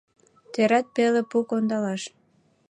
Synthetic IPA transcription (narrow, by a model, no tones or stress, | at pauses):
t̪eɾɑt̪̚pelepukond̪ɑlɑʃ